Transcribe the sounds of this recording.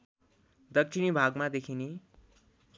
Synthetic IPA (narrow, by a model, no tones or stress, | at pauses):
d̪ʌk̚t͡ʃʰinibʱaɡmad̪ekʰine